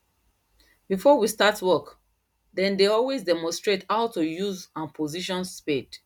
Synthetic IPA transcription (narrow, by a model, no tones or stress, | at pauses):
bifɔwistatwɛk | dɛ̃ndeɔlwezdɛmɔ̃nstɹethaʊtujuzãnpʰoziʃɔ̃nsped